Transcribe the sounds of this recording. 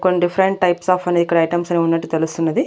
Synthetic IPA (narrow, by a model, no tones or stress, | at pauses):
konːiɖifɐɾeɳʈ̚ʈɐjpsaːfɐneːd̪ikːɐɽɐjʈɐmsɐneːunːɐʈːut̪elust̪unːɐd̪i